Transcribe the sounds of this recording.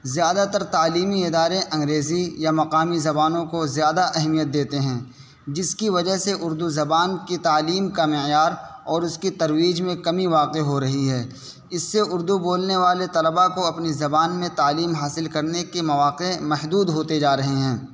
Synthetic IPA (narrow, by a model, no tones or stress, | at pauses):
zjaːd̪at̪ɐɾt̪aːliːmiɪd̪aːɾẽʔɐ̃ŋɡɾeːzijamɐqaːmizɐbaːnõkozjaːd̪aʔɛɦmijət̪̚d̪eːt̪eɦɛ̃ː | d͡ʒɪskiʋɐd͡ʒəɦseʔʊɾd̪uzɐbaːnkit̪aːliːmkamɪjaːɾɔːɾʊskit̪ɐɾwiːd͡ʒmẽkɐmiʋaːqeɦoɾɐɦiɦɛː | ɪsːeʊɾd̪uboːlneʋaːlet̪ɐləbakoɐpnizɐbaːnmẽt̪aːliːmɦaːsɪlkɐɾnekemɐʋaːqemɐʃd̪uːd̪ɦoːt̪ed͡ʒaːɾɐɦeɦɛ̃ː